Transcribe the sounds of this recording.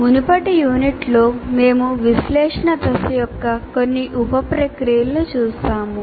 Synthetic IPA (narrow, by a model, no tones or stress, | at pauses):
munipɐʈijuːniʈloːme̞ːmuʋislɛːʂɐɳɐt̪ɐsɐjɔkːɐkonːiʔupɐpɾɐkɾijɐlnut͡ʃuːsaːmu